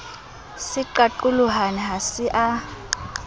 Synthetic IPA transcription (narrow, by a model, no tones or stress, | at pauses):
siǃaǃuluɦaniɦasɪʔa